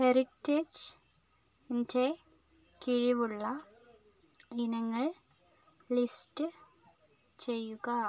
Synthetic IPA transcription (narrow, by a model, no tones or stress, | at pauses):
heɾikted͡ʑ | ende | kiɻiʋuɭːɐ | inɐŋːɐɭ | listɨ | t͡ɕe̞jːuɣɐ